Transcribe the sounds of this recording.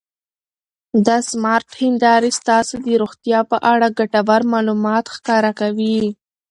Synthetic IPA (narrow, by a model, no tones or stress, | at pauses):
d̪asmɑɾʈhɪnd̪ɑɾist̪ɑsod̪əɾoxt̪jɑpəʔaɽaɡaʈawaɾmɑlumɑt̪xkɑɾakawi